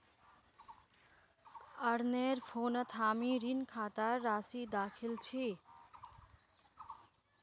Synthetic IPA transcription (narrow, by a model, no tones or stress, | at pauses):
əɽneɾpʰoːnət̪ʰaːmiɾinkʰaːt̪aɾːaːsid̪aːkʰilt͡ʃʰi